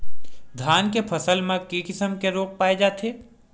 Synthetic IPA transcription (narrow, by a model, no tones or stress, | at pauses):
d̪ʱaːnkepʰɐsəlmẽkikɪsəmkeɾoːk̚paːed͡ʒaːt̪ʰeː